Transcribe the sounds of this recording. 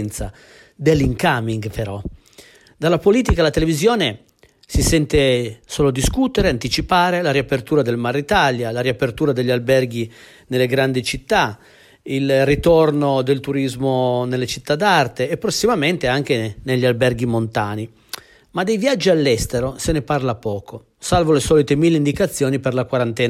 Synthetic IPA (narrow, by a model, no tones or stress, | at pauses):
nt̪sa | d̪elːiŋkamiŋɡpeɾɔ | d̪alːapoliːt̪ikalat̪elevizjoːne | sisɛnt̪esoːlod̪iskut̪eɾeant̪it͡ʃipaːɾelaɾiapert̪uːɾad̪elmarːit̪aljalaɾiapert̪uːɾad̪eʎːalbɛrɡi | nelːeɡɾand̪it͡ʃit̪ːa | ilrːit̪ornod̪elt̪uɾizmonelːet͡ʃit̪ːad̪ːart̪eːpːɾosːimament̪eaŋk̟eneʎːialbɛrɡ̟imont̪aːni | mad̪ejvjad͡ʒːialːɛst̪eɾoseneparlapɔːkʰo | salvolesɔːlit̪emilːeind̪ikat̪sːjɔːniperlakwaɾant̪ɛːna